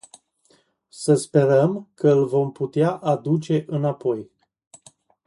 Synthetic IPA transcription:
səspe̞ɾəmkəɨlvo̞mput̪eaʔad̪ut͡ʃe̞ʔɨnapo̞j

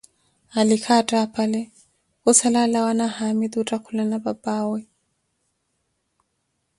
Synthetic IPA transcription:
alikʰatʼapʰʼalɛ | kusalalawanahamid̪utʼakʰulanababaːwɛ

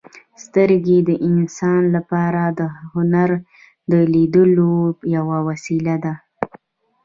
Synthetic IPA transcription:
st̪əɾɡed̪əʔɪnsɑnlapɑɾad̪əhʊnaɾ | d̪əlid̪əlojawawasilad̪a

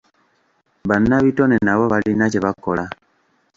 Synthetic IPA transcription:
βanaβitonenaβoβalinaceβakola

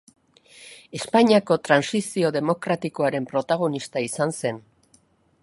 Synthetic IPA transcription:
e̞spaɲiako̞t̪ɾansisio̞ðe̞mo̞kɾat̪iko̞aɾe̞mpɾo̞t̪aɣ̞o̞nist̪aisanse̞n

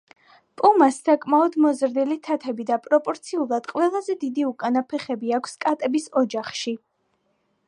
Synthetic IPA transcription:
pʼumasːakʼmaɔd̪mɔzɾd̪ilit̪ʰat̪ʰɛbid̪apʼɾɔpʼɔɾt̪sʰiulˠad̪̥qʼwɛlˠazɛd̪id̪iukʼanapʰɛχɛbiakʷʰskʼat̪ʼɛbisɔd͡ʒaχʃi

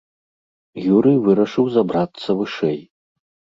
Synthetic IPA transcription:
juɾɨjvɨɾɐʂɨwzɐbɾat̪sːɐvɨʂɛj

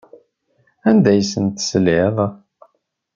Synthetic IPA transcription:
ænd̪æjsənt̪səlɪðˤ

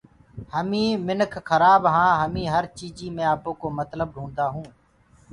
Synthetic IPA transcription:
həmĩːmɪnəkʰːəɾaːbɦãːɦəmĩːɦəɾt͡ʃiːd͡ʒiːmẽːaːpoːkoːmət̪ləbɦũːnd̪aːɦũː

